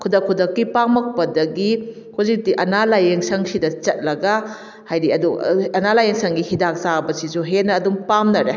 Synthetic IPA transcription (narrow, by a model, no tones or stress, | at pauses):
kʰudɐkʰːudɐkːipamɐk̚pɐdɐɡi | huzik̚tiʔɐnalajeŋsɐŋsidɐt͡ʃɐt̚lɐɡɐ | hajdiɐduɐnalajeŋsɐŋɡihidak̚sabɐsisuɦenːɐːdumpamnɐɾe